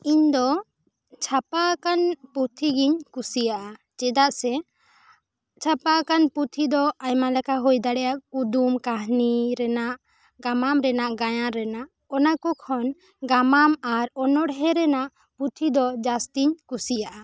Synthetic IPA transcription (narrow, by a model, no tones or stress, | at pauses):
iɲd̪ɔ | t͡ʃʰapakanput̪ʰiɡiɲkusijaʔa | t͡ʃɛd̪aʔsɛ | t͡ʃʰapakanput̪ʰid̪ɔajmalɛkaɦɔjd̪aɽɛjaud̪umkaɦniɾɛnaʔ | ɡamamɾɛnaʔɡajãɾɛnaʔ | ɔnakɔkʰɔn | ɡamamaɾɔnɔɽɦɛɾɛnaʔ | put̪ʰid̪ɔd͡ʒast̪iɲkusijaʔa